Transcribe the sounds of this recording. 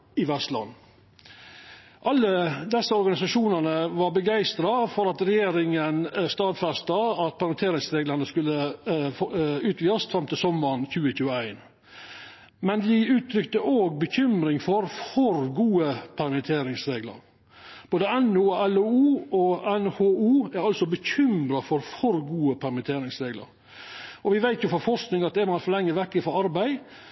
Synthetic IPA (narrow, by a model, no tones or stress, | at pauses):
ɪʋɛst̪lɑ̰n | ʔɑlːəd̪ɛsːəɔɾɡɑnɪsɑʂuːnənəʋɑɾbəɡæɪst̪ɾɑfɔɾɑt̪ɾɛjeːɾɪŋənst̪ɑːd̪fɛst̪ɑɑt̪̚pʰɑlmɛnt̪ʰeːɾɪŋsɾeːɡlənəskʉlːə | ʉːt̪ʰʋiːɑsfɾɑmt̪ɪsɔməɾnçʉːəçʉːəæɪn | mɛnd̪ɪʉːt̪ʰɾʏkt̪əʔoːɡ̚bəçʏmɾɪŋfɔɾfɔɾɡuːəpʰæɾmɪt̪ʰeːɾɪŋsɾeːɡlə̰ɾ | b̥oːd̪əɛnʊɔɛluuːɔɛnhoːuːæɾɑlsɔbəçʏmɾɑfɔɾfɔɾɡuːəpʰæɾmɪt̪ʰeːɾɪŋsɾeːɡlə̰ɾ | ʔɔʋɪʋæɪt̪jʊfɔɾfɔɾʂknɪŋɑt̪̚d̪ɛmɑnfɔlɛŋːəʋɛkːɪfɔɾɑɾbæɪ